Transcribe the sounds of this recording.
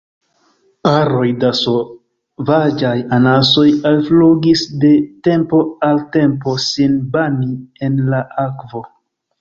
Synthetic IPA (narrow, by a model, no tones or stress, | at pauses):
aɾo̞jdaso | vad͡ʒajanaso̞jalfluɡisde̞te̞mpo̞alte̞mpo̞sinbanie̞nlaʔakvo̞